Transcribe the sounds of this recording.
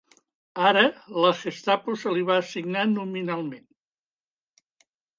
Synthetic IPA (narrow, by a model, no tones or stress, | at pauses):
aɾələxest̪apusəliβ̞aːsiɡnanuminalˠmen